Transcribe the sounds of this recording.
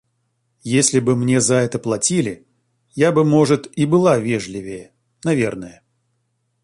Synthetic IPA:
jesʲlʲɪbɨmnʲe̞zɐɛt̪əplˠɐtʲilʲɪ | jabɨmo̞ʐɨt̪ibɨlˠavʲeʐlʲɪvʲɪjə | nɐvʲe̞rnəjə

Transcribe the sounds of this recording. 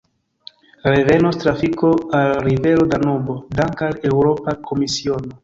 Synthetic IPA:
ɾe̞ve̞nostɾafiko̞alɾive̞ɾodanobo̞daŋkale̞wɾo̞pakʰo̞misio̞no̞

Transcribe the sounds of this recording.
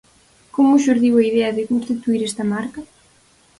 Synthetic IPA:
komʊʃoɾðiwɐiðeɐðɪkũnst̪it̪uiɾɛst̪ɐmaɾkɐ

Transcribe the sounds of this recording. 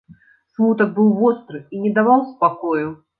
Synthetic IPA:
smut̪ɐk̚bɨwvɔst̪ɾɨinʲɛd̪avawspakɔju

